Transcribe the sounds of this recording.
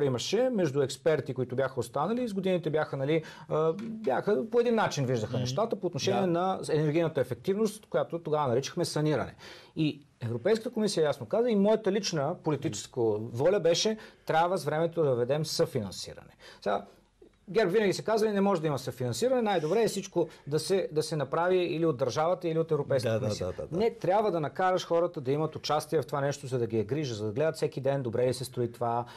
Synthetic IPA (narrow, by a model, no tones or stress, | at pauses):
ɾimɐʃɛmɛʒd̪uɛkspɛɾt̪ikoit̪ʊbʲjaxəost̪anəlizɡod̪init̪ɛbʲjaxənɐli | bʲjaxəpoɛd̪inːat͡ʃinviʒd̪əxənɛʃt̪at̪əpoːt̪noʃɛniɛnɐɛnɛɾɡʲijnət̪ɐɛfɛk̚t̪ivnost̪kojat̪ot̪oɡavənɐɾit͡ʃə̥xmɛsɐniɾɐ̰nɛ̰i | ɛvɾopɛjskət̪əkomisijəjasnokazəimɔjət̪əlit͡ʃnəpolit̪it͡ʃɛ̥skəvɔlʲəbɛʃɛt̪ɾʲabvəsvɾɛmɛt̪od̪ɐvvɛd̪ɛmsəfinɐnsḭɾɐ̰nɛɛɡa | ɡʲɛɾpvinəɡʲisɛkazəlinɛmɔʒɛd̪ɐimɐsəfinɐnsiɾɐnɛnajd̪obɾɛːsit͡ʃkod̪ɐsɛd̪ɐsɛnɐpɾaviiliod̪ːɐɾʒavət̪əiliot̪ɛvɾopɛjskkkmsiə̰nɛt̪ɾʲabvəd̪ɐnɐkaɾəʃxɔɾət̪əd̪ɐimɐt̪ot͡ʃast̪iɛft̪ovanɛʃt̪ozɐd̪ɐɡiɛɡɾiʒəzɐd̪ɐɡlɛd̪ət̪sɛkid̪ɛnd̪obɾɛlisɛst̪ɾʊit̪ova